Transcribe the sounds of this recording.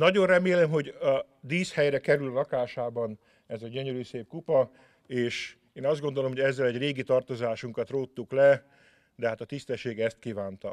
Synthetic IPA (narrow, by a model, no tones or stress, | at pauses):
nɒɟo̞nrɛmeːlɛmɦo̞ɟɒ | d̪iːshɛjrɛkɛɾyllɒkaːʃaːbɒn | ɛzɛɟøɲøɾyːseːp̚kupɒ | eːʃ | eːnɒzd̪ɡo̞nd̪o̞lo̞mho̞ɟɛzːɛlɛɟreːɡit̪ɒrt̪o̞zaːʃuŋkɒt̪roːt̪ːuklɛ | d̪ɛɦaːt̪ɒt̪ist̪ɛʃːeːɡɛst̪kivaːnt̪ɒ̰